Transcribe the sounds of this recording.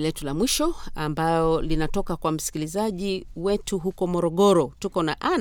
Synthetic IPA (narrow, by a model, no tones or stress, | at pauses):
lɛtulamwiʃɔambalɔlinatɔkakwam̩si̥kilizaʄiwɛtuɦukɔmɔɾɔɠɔɾɔtukɔnaʔa